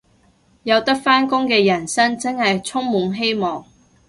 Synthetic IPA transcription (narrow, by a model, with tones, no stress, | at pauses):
jɐ˨˧wt̪ɐ˥k̚faː˥nkʊ˥ŋkɛː˧jɐ˨˩nsɐ˥ŋt͡sɐ˥ŋhɐ˨jt͡sʰʊ˥ŋmuː˨˥ŋɦe˥jmɔː˨ŋ